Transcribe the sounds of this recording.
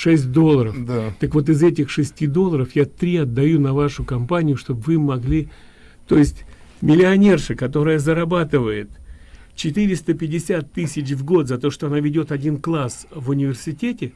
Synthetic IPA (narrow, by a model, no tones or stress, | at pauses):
ʂɛsʲt̚ʲd̪o̞lˠːəɾəfd̪at̪əkvo̞t̪̬ɨzɛtʲɪxʂɨsʲtʲid̪o̞lˠəɾəfjat̪ɾʲiɐd̪ːɐjunɐvaʂʊkɐmpanʲɪjʊʂt̪o̞bvɨmːɐɡlʲi | t̪o̞jɪsʲtʲmʲɪlʲɪɐnʲe̞rʂɨkɐt̪o̞ɾəjəzəɾɐbat̪ɨvəjɪt̪ | t͡ɕɪt̪ɨɾʲɪst̪əpʲɪdʲɪsʲat̪ːɨsʲɪt͡ɕvɡo̞t̪zɐt̪o̞ʂt̪o̞ɐnavʲɪdʲo̞t̪ɐdʲinklˠasvʊnʲɪvʲɪrsʲɪtʲetʲɪ